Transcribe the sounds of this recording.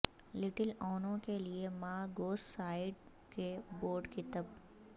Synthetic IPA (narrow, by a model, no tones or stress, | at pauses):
lɪʈəlɔːnõkeliemaːɡoːssaːɪɖ | keboːɾɖkit̪ɐb